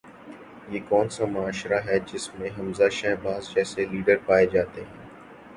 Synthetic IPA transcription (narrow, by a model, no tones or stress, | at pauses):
jeːkɔːnsamʊaːʃɾaɦɛd͡ʒɪsmẽɦɐmzaʃɛːbaːzd͡ʒɛːseliːɖəɾpaːed͡ʒaːt̪eɦɛ̃ː